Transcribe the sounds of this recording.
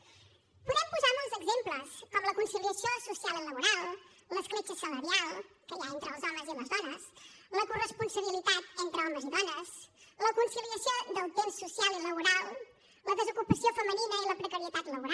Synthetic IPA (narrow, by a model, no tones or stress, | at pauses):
puðɛmpuzamɔlˠzəɡzempləskɔmləkunsiliəsiosusialˠiləβuɾalˠ | ləskɾet͡ʃəsələɾialˠ | kəjaent̪ɾəlˠzɔməziləzðɔnəsləkurəspunsəβ̞ilit̪at̪ent̪ɾəɔməziðɔnəsləkunsiliəsiod̪əlˠt̪ensːusialˠiləβ̞uɾalˠ | ləðəzukupəsiofəməninəiləpɾəkəɾiət̪at̪ləβuɾa